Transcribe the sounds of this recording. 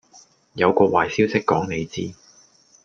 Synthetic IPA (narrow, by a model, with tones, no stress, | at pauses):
jɐ˨˧wkɔː˧waː˨˩jsiː˥wsɪ˥kːɔː˨˥ŋne˨˧jt͡siː˥